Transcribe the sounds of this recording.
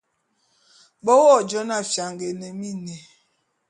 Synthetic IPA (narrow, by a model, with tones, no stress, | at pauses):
ɓɔ˦wɔ˦˨d͡ʒɔ˦na˦˨fja˨ŋɡe˨nɛ˨mi˦nɛ˨